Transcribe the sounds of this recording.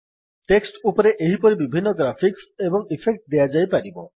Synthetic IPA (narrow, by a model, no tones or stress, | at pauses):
ʈeksʈupɔɾeʔeɦipɔɾibibʱinːɔɡɾapʰiksebɔŋipʰek̚ʈd̪ejad͡ʒajpaɾibɔ